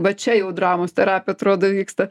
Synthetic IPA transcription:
bʲɐt͡ʃʲɛjɛʊd̪ɾɑːmoːst̪ʲɛɾɑːpʲɪɐt̪ɾoːd̪oːʋʲiːkst̪ɐ

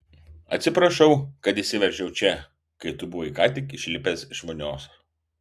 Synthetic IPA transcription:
ɐt̪ʲsʲɪpɾɐʃɐʊkɐt̪iːsʲɪʋʲɛɾʲʒʲɛʊt͡ʃʲɛ | kɐɪt̪ʊbʊʋɐɪkɑːt̪ʲɪkɪʃʲlʲɪpʲesɪʃmonʲoːs

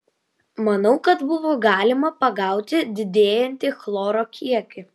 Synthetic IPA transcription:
mɐnɐʊkɐt̪bʊʋoːɡɑːlʲɪmɐpɐɡɑˑʊt̪ʲɪd̪ʲɪd̪ʲeːjɛnʲt̪ʲɪxlˠoːɾoːkʲiɛkʲɪ

